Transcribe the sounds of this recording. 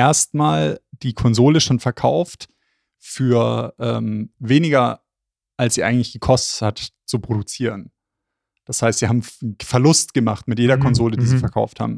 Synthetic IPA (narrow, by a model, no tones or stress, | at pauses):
ʔeːɐstmaːld̥iːkʰɔnzoːləʃoːnfɛɐkʰaʊft | fyːɐʔɛ̰ːmveːnɪɡɐ | ʔalsz̥iːʔa̰ɪŋ̩tlɪçɡ̥əkʰɔstəthat | t͡supʁ̥odut͡siːʁən | d̥ashaɪstz̥iːhaːbm̩fɛɐlʊstɡ̥əmaχtmɪtjeːɾɐkʰɔnzoːlədiːziːfɛɐkʰa̰ʊftha̰ːbm̩